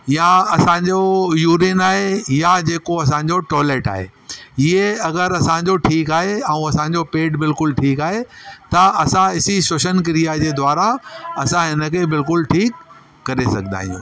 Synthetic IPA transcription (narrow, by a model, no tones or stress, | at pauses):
jaɐsãɲd͡ʑojuːɾiːnaːɦejad͡ʑeːkoɐs̬ãɲd͡ʑoʈɔːleːʈa̰ːɦḛ | ɪɦeɐɡəɾɐsãːɲd͡ʑoʈʰiːkaːɦeɛ̃ũɐsãːɲd͡ʑopeːɖbɪlkʊlʈʰiːkaːɦet̪ɐɐsãɪsisʊʃənkɪɾijad͡ʑeːd̪waːɾaɐsãɦɪnə̆kʰebɪlkʊlʈʰiːkː | ɐɾesɐ̰ɡʱə̃na̰ːɦḭ̃jṵ̃ː